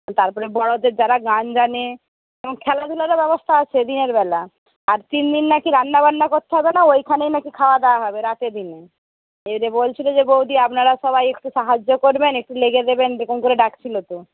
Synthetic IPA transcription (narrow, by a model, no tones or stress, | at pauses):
t̪aɾpɔɾebɔɽod̪eɾd͡ʑaɾaɡand͡ʑane | eboŋkʰɛlad̪ʱulaɾabɛbost̪ʰaat͡ɕʰed̪ineɾbɛla | aɾt̪ind̪inːakiɾanːabanːakoɾt̪ːeɦɔbenaojkʰanejnakikʰaoad̪ɛoaɦɔbeɾat̪ed̪ine | eɾebolt͡ɕʰilod͡ʑebowd̪iapnaɾaʃɔβajekʈuʃaɦad͡ʑːokoɾbenek̚ʈuleɡed̪ebend͡ʑekonkoɾeɖakt͡ɕʰilot̪o